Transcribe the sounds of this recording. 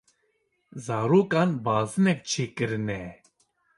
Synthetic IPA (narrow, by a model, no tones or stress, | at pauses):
zaːɾoːkaːnbaːzɨnɛk̚t͡ʃʰeːkɨɾɨnɛ